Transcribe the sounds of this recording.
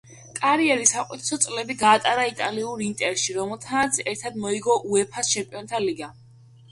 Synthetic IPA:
kʼaɾiɛɾisaqʼwit̪ʰsɔt̪sʼlɛbiɡaːt̪ʼaɾait̪ʼaliuɾint̪ʼɛɾʃiɾɔmɛlˠt̪ʰanat̪sʰɛɾt̪ʰad̪mɔiɡɔʔuɛpʰast͡ʃʰɛmpʼiɔnt̪ʰaliɡa

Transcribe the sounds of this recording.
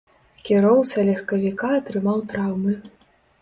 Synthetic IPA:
kʲiɾɔwsɐlʲɐxkɐvʲikaɐt̪ɾɨmawt̪ɾawmɨ

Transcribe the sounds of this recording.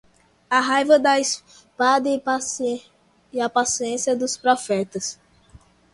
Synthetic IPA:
aɦajvɐd̪ɐis | pad̪ɐi | iapasiẽsiɐd̪ʊspɾɔfɛt̪ɐs

